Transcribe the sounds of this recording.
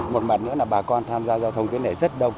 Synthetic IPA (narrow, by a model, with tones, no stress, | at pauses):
mo˨˩t̚maː˨˩t̚nɨ̰˧˥əlaː˨˩ɓaː˨˩kɔ˧nt̪ʰaː˧mzaː˧zɔ˧t̪ʰə˧wŋ͡mk̪i˨˦na˨˧˩jzə˦˥t̚ɗə˧wŋ͡m